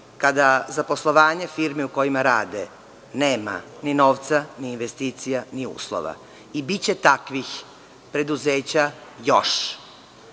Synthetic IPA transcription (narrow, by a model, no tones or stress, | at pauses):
kad̪azapo̞slˠo̞ʋaːɲefiɾmiuko̞jimaɾaːd̪e | neːma̰nino̞ːʋt̪saniːnʋest̪iːt̪sijaniṵːslˠo̰ʋa̰ | ibit͡ɕe̞t̪akʋix | pɾe̞d̪uze̞ːt͡ɕajoʃ